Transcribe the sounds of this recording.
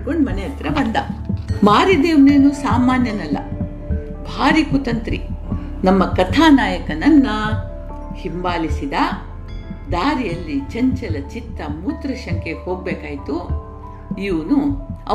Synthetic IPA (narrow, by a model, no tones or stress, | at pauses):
koɳɖmɐnɛjɐt̪ɾɐbɐnd̪ɐmaːɾid̪eːneːnusaːmaːnjɐnɐlːɐ̰ | bʱaːɾikut̪ɐnt̪ɾḭ | nɐmːɐkɐt̪ʰaːnaːjɐkɐnɐnːɐ | himbaːlisid̪ɐ | d̪aːɾijɐlːit͡ʃɐɲt͡ʃɐlɐt͡ʃit̪ːɐmuːt̪ɾɐʃɐŋkʰehoːɡ̚beːkaːjit̪u | iʋunuɐ̰